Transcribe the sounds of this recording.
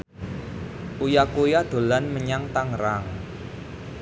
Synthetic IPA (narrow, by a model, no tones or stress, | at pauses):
ʔujakujad̪̥o̤lanməɲaŋt̪aŋɾaŋ